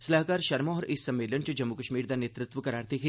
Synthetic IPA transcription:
sɐlaːkaːɾʃɐɾmaɔːɾʔɪsːɐmːeːlənt͡ʃəd͡ʒɐmːukəʃmiːɾd̪aneːt̪ɾɪt̪ʋəkɐɾaːɾt̪ikʰe

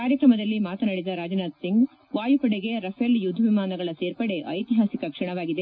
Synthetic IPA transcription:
kaːɾjɐkɾɐmɐd̪ɐlːimaːt̪ɐnɐɽid̪ɐɾaːd͡ʒɐnaːd̪siŋɡ | ʋaːjupɐɽeɡe̞ɾɐpʰeljud̪ʱːɐʋimaːnɐɡɐɭɐse̞ːɾpɐɽe̞ʔɐjt̪iɦaːsikɐkʂɐɳɐʋaːɡid̪e̞

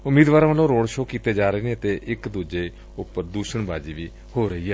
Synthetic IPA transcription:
ʊmiːd̪ʋaːɾãʋəlõːɾoːɽʃoːkiːt̪eːd͡ʒaːɾəeːnẽːət̪eːʔɪkd̪uːd͡ʒeː | ʊpːəɾd̪uːʃəɳbaːd͡ʒiːʋiː | hoːɾəɦiːɦɛː

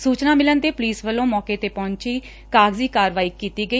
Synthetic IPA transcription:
suːt͡ʃnaːmɪlənt̪eːpʊliːsʋəlːõːmɔːkeːt̪eːpɔ̃ːɲt͡ʃiː | kaːɡziːkaːɾʋaːiːkiːt̪iːɡəi

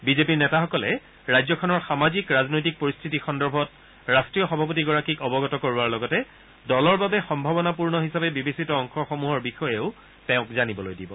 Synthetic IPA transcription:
bizepiɹnɛtaxɔkɔlɛ | ɹajzɔkʰɔnɔɹxamazikɹaznojtik̚poɹistʰitixɔndɔɹbʱɔt | ɹastɹiɔxɔbʱap̬otiɡɔɹakikɔbɔɡɔtɔkoɹuaɹlɔɡɔtɛ | dɔlɔɹbabɛxɔmbʱabɔnapuɹnɔɦisabɛbibesitɔːŋxɔxɔmuɦɔɹbixɔjɛʊ | tɛʊ̃kzanibɔlojdibɔ

